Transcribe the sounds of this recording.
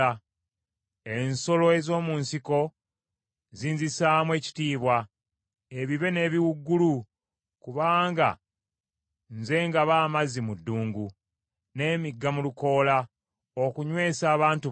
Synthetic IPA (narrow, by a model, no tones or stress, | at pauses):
a | enso̞lo̞e̞zo̞ːmuːnsiko̞ | ziːnzisaːmwe̞ːci̥tiːβwa | eβiβe̞ne̞ːβiwuɡːulu | kuβaːŋɡa̰ | nze̞ːŋɡaβaːmazimudːuːŋɡu | ne̞ːmiɡːamuluko̞ːla | okuɲwe̞ːsaːβaːntu